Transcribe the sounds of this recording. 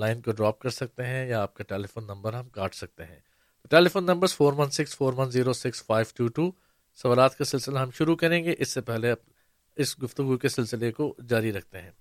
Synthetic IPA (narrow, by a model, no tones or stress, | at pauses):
laːɪnkoɖɾɔːp̚kɐɾsɐk̚t̪eɦɛ̃jaːp̚kaʈɛːlifoːnːɐ̃mbəɾɦɐmkaːʈʰsɐk̚t̪eɦɛ̰̃ː | t̪oʈɛːlifoːnːɐ̃mbəɾz̥foːɾʋɐ̃nsɪksfoːɾʋɐ̃nziːɾosɪksfaːɪʋʈuːʈuː | sɐʋaːlaːt̪kasɪlsɪlaɦɐ̃mʃʊɾukɐɾẽːŋɡeʔɪsːepɛɦleɐ | ɪsɡʊft̪ʊɡukesɪlsɪlekod͡ʒaːɾiɾɐk̚ʰt̪eɦɛ̃ː